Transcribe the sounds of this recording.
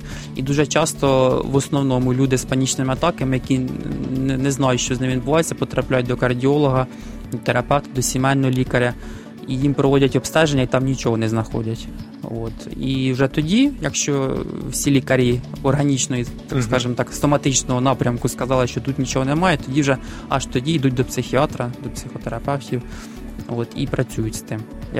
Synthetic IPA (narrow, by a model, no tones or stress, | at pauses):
ḭd̪uʒɛt͡ʃɑst̪ɔʋɔsnɔwnɔmʊlʲud̪ɪspɐnʲit͡ʃnɪmɪɐt̪ɑkɐmɪjɐkʲinnɛznɑjʊtʲʃt͡ʃɔznɪminbʊʋɑjɪt͡sʲːɐpɔt̪ɾʔɐplʲajʊt̚ʲd̪ɔkɐrdʲiɔlˠɔɦɐ | t̪eɾɐpɛwt̪ɪd̪ɔsʲimɛnːɔɦɔlʲikɐɾʲɐ | ijimpɾɔʋɔdʲɐtʲɔpst̪ɛʒenʲːɐit̪ɑmnʲit͡ʃɔɦɔnɛznɐxɔ̰dʲɐtʲ | o̰t̪iwʐɛt̪ɔdʲijɐkʃt͡ʃɔwsʲilʲikɐɾʲiɔrɦɐnʲit͡ʃnɔjit̪ɑkskɑʐɪmt̪ɑkɐ̥st̪ɔmɐt̪ɪt͡ʃnɔɦɔnɑpɾʲɐmkʊskɐzɑlˠɪʃt͡ʃɔt̪ut̪nʲit͡ʃoɦɔnɛmɑjɛt̪ɔdʲiwʒɛ | ɐ̰ʂt̪ɔdʲiid̪ut̚ʲd̪ɔpsɪxʲiɑt̪ɾɐd̪ɔpsʲɪxɔt̪eɾɐpɛwtʲiw | ot̪ḭpɾɐt͡sʲujʊtʲst̪ɪm | j